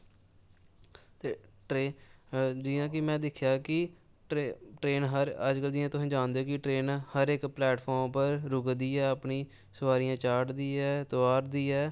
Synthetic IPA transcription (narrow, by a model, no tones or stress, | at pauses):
t̪eːʈɾeː | d͡ʒɪːãːk̬ɪmɛ̃ːd̪ɪkʰjaːkɪ | ʈːʈɾeːnɦəɾəd͡ʒkəld͡ʒɪãːt̪ʊsãːd͡ʒaːnd̪eoːkɪʈɾeːnhəɾekplɛːʈpʰɔːɾmpəɾɾʊɡd̪iːɛːəpniː | səʋaːɾɪjãːt͡ʃaːʈd̪iːɛːt̪ʊaːɾd̪iːɛː